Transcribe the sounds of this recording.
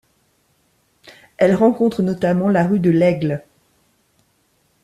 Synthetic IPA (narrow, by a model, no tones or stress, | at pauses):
ɛlʁɑ̃kɔ̃t̪χənɔt̪amɑ̃laʁyd̪əlɛɡl